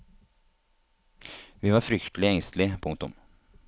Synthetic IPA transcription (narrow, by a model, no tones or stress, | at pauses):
vɪvaɾfɾʏkt̪lɪɛŋst̪lɪpʰʊŋkt̪ɵ̰m